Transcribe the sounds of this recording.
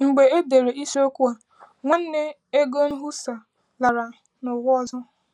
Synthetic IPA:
ŋ͡m̩˨ɡ͡be˨e˦de˨ɾe˨i˦so˦kʷu˦a˨ | ŋʷa˦n̩˦ne˦ | e˦ɡo˦n̩˦ɦu˦sa˨ | la˨ɾa˨ | nʊ˨ɣʷʊ˦ɔ˦˨zɔ˦

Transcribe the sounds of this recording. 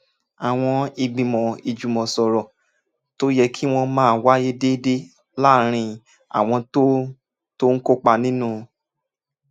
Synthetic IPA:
a˨w̃ɔ̃˧i˧ɡ͡bĩ˨mɔ̃˨i˨d͡ʒu˨mɔ̃˨sɔ˨ɾɔ˨ | to˦jɛ˧kʰi˦w̃ɔ̃˧mãː˦˨wa˦je˦de˦de˦ | la˦˨ɾ̃ĩ˧ | a̰˨w̃ɔ̃˧to˦ | to˦ŋ̩˦ko˦k͡pa˦˧nĩ˦nũ˦˧

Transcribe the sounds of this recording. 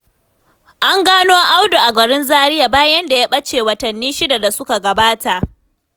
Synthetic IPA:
ʔa˦ŋɡaː˦noː˦ʔa˦wdo˨ʔa˨ɡɐ˨ɽɪ˦nzaː˦ɾɪ˦jaː˨baː˦jɐ˦nda˨jaː˦ɓɐ˦t͡ʃeː˨wɐ˨tɐ˨nːiː˦ʃɪ˦da˨da˨sʊ˦ka˨ɡɐ˨baː˦ta˨ʔ

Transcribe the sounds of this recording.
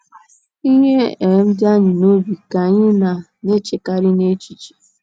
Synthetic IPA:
i˦ɲe˦e˨˦m̩˦da˦ɲɪ˨no˦bi˨ka˨ɲɪ˦na˨ | ne˦t͡ʃe˨ka˨ɾi˦ne˦t͡ʃi˨t͡ʃi̥˨

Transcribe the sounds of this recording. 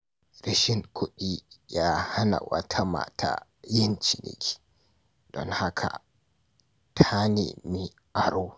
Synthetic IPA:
ɾɪ˦ʃɪ˦˨ŋkʷʰʊ˦ɗiː˦jaː˦ha˦na̰˨wɐ̰˦tʰa˦ma̰ː˨tʰa̰ː˦jɪ˦nt͡ʃi˨nʔɪ̰˦kʲi̥˦˨ | d̥ɔ̰˦ŋha˦kʰa̰˨ | tʰa˦neː˨mi˦ | ʔa˨ɾoː˦

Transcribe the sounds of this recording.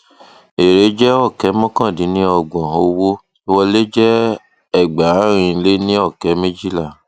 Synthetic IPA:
e˨ɾe˨˦d͡ʒɛ˦ɔ˦˨kɛ˨˦mɔ̃˦kã˦˨dĩ˨˦nĩ˦ɔ˧˨ɡ͡bɔ̃˨o˧wo˦ | i˦wɔ˧le˦d͡ʒɛ˦ | ɛ˦˨ɡ͡ba˨˦ɾ̃ĩ˧le˦nĩ˦ɔ˦˨kɛ˨˦mĩ˦d͡ʒi˦la˦˨

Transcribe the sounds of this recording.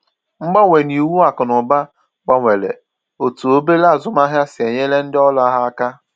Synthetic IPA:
ŋ͡m̩˦ɡ͡ba˦ŋʷe˨ni˨wu˦a˨kʊ˨nʊ˨ba˦ | k͡pa˨ŋʷe˨lḛ˨ | o˨tu˨o˦be˦la˦a˨zʊ˨m˦a˦ɦja˦sɪ˨e˨ɲe˦le˦n̩˦dɪ˦ɔ˦la˦ɦa˦a˦ka˦

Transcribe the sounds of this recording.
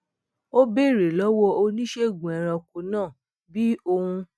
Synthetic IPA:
o˦be˦˨ɾe˨lɔ˨˦wɔ˧o˧nĩ˦ʃe˦˨ɡũ˨ɛ˨ɾ̃ã˧ku˨nãː˦˨ | bi˦o˧hũ˧

